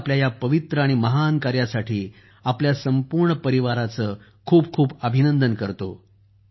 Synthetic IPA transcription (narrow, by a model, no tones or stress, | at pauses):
pljajapəʋit̪ɾəaɽ̃iməɦankaɾjasaʈʰiː | apljasəmpuɾɳəpəɾiʋaɾat͡səː | kʰuːb̚kʰuːbəbʱinənd̪ənkəɾt̪o̰